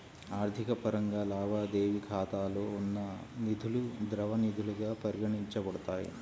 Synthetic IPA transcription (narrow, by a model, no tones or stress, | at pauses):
aːɾt̪ʰikɐpɐɾɐŋɡaːlaːbaːd̪eːʋikʰaːt̪aːloːunːɐnid̪ʱulud̪ɾɐʋɐnid̪ʱuluɡaːpɐɾiɡɐɳiɲt͡ʃɐbɐɽut̪aːjḭ